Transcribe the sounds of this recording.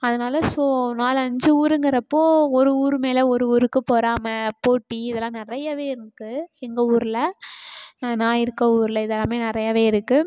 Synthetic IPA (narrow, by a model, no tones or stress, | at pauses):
ɐðɐnaːlɐsoːnaːlɐɲd͡ʒɯuːɾɯŋɡɪɾɐpːoːɔɾɯuːɾɯmeːlɛɔɾɯuːɾɯkːɯpoːɾaːmɐpoːʈːiɪðɛlːãːnɪɾɐjɐʋeːɪɾɯkːɯɛŋɡɐuːɾɪlɐ | nːnaːjɪɾɯkːɐuːɾɪlɐɪðɛlːãːmeːnɪɾɐjɐʋeːɪɾɯkːɯ